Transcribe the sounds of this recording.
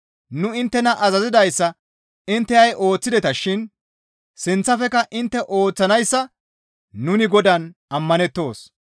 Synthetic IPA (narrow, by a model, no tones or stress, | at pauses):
nʊɪnt̪ːɛnɐʔɐzɐzɪd̪ɐjsːɐ | ɪnt̪ːɛɐjʔo̞ːt͡sːɪd̪ɛt̪ɐʃɪn | sɪnt͡sːɐfɛkɐʔɪnt̪ːɛʔo̞ːt͡sːɐnɐjsːɐː | ʊnɪɡɔd̪ɐnɐmːɐnɛt̪ːo̞ːs